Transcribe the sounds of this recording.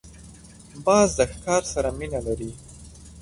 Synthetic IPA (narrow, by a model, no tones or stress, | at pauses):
bɑzd̪əxkɑɾsaɾaminalaɾi